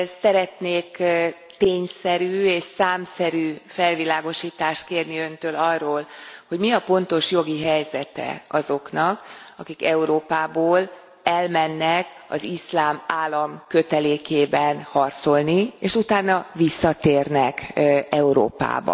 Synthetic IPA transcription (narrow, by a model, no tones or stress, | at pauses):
sɛɾɛt̪neːk | t̪eːɲsɛɾyːeːʃsaːmsɛɾyːfɛlvilaːɡo̞ʃiːt̪aːʃt̪̚keːrniø̞nt̪øːlɒrːoːlho̞ɟmiɒpo̞n̪t̪o̞ʃjo̞ɡiɦɛjzɛt̪ɛ̰ɒzo̞knɒkɒkikɛuɾoːpaːboːl | ɛlmɛnːɛk | ɒ̰zislaːmaːlːɒmkø̞t̪ɛleːkeːbɛnhɒrt̪so̞lnieːʃut̪aːnːɒvisːɒt̪eːrnɛkɛuɾo̰ːpa̰ːbɒ̰